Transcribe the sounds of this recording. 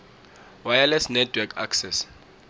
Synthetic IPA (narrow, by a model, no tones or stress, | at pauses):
wajalɛsnɛtʰwɛkʰa̰ksɛs